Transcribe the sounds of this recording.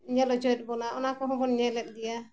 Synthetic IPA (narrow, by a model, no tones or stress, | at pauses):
iɲalɔd͡ʒɔɛt̪̚ˀbɔnaʔɔ̰nakɔɦɔ̃bɔnɲɛlɛt̪̚ˀd̪ija